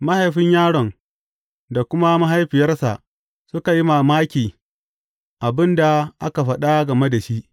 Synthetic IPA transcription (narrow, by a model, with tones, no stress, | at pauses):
ma˦ha˨jɸɪ˦ɲjaː˦ɽɔ˨ŋ | da˨kʷʊ˦ma˦ma˦ɦa˦jɸɪ˨jɐ˦rsa̰˨ʔ | sʊ˦ka˨ji˦maː˨maː˦kʲiː˨ | ʔa˨bɪ˦nda˨ʔa˦ka˨ɸɐ˦ɗa˦ɡɐ˨me˦da˨ʃi˦ʔ